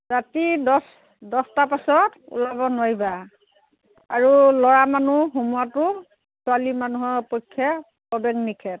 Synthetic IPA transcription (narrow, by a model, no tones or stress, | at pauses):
zatidɔs | dɔstapasɔtṵlabɔnajba | aɹulɔɹamanuɦumuatʊ | sʊalimanuɦɔɹpɔjkʰːa | pɔbɛɡnikʰɛt